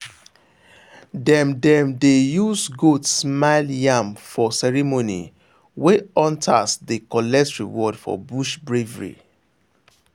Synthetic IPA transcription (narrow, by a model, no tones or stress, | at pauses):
dɛ̃mdɛ̃mdejusɡudsmaɪljãmfɔsɛɹimonḭ | weɔ̃ntʰasdekɔlɛsɹiwɔdfɔ̰buʃbɹevɹḭ